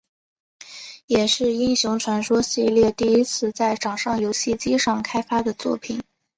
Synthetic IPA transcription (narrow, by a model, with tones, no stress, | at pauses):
jɛ˨˩ʂɻ̩˥˩i˥nɕjʊ˧˥ŋʈ͡ʂʰwa˧˥nʂwɔ˥ɕi˥˧ljɛ˥˧t̪i˥˩i˥t͡sʰɹ̩˥˧t͡sa˥˩ɪʈ͡ʂɑ˨˩ŋʂɑ˥˩ŋjo˧˥ʊɕi˥˩t͡ɕi˥ʂɑ˥˩ŋkʰa˥ɪfa˥d̪ə˨t͡swɔ̰˥˩pʰi˨˩˦n